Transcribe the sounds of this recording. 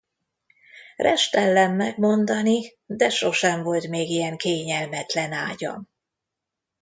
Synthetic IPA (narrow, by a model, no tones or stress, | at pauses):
rʔɛʃt̪ɛlːɛmːɛɡmo̞nd̪ɒni | d̪ɛʃo̞ʃɛɱvo̞lt̪meːɡijɛŋkeːɲɛlmɛt̪lɛnaːɟɒ̰m